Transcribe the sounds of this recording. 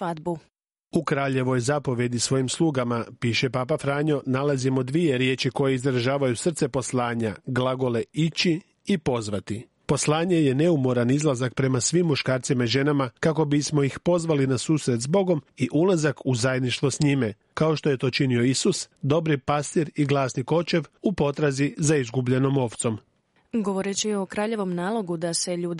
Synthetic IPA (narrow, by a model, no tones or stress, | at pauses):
ad̪bu | ukɾaːʎe̞ʋo̞jzapo̞ʋje̞d̪isʋo̞jimslˠuːɡamapiːʃe̞papafɾaːɲo̞nalazimod̪ʋie̞ɾje̞ːt͡ʃiko̞jeizɾaʒaːʋajusr̩t̪se̞po̞slˠaːɲaɡlˠaɡo̞le̞it͡ɕi | ipo̞zʋat̪i | po̞slˠaːɲe̞je̞ne̞umo̞ɾanizlˠazak̚pɾe̞masʋimːuʃkaːɾt̪simaiʒe̞namakako̞bismo̞jixpo̞zʋalinasuːsɾet̪zbo̞ɡo̞miʔulazakuzajed̪niʃt̪ʋo̞sɲime | kao̞ʃt̪o̞je̞t̪o̞ːt͡ʃinio̞isusd̪o̞bɾipast̪iɾiɡlˠaːsniko̞t͡ʃe̞ʋupo̞t̪ɾazizaizɡubʎe̞no̞mo̞ʋt̪so̞m | ɡoʋo̞ɾet͡ɕiokɾaːʎe̞ʋo̞mnaːlˠo̞ɡud̪ase̞ʎuːd̪